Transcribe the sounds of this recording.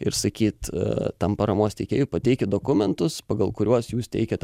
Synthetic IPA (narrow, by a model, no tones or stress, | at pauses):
ɪ̰ɾsɐkʲiːt̪t̪ɐmpɐɾɐmoːst̪ʲɛɪkʲeːjuːpɐt̪ʲɛɪkʲɪd̪oːkʊmʲɛnt̪ʊspɐɡɐlˠkʊɾʲuɔsjuːst̪ʲɛ̰ɪkʲɛt̪